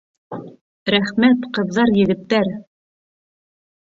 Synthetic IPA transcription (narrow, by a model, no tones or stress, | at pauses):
ɾæχmæt̪qɤ̆ðːɑɾjɘ̆ɡɘ̆t̪ːæɾ